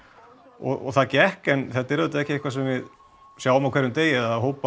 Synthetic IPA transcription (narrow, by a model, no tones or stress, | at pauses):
ɔ̰ɔ̰θaðcɛhkɛnθɛt̪aɛɾʏt̪aɛhcɪehkvasɛmvɪð | sjaːwʏmawkʰvɛɾːʏmt̪eːjɪaaðɦoːwpa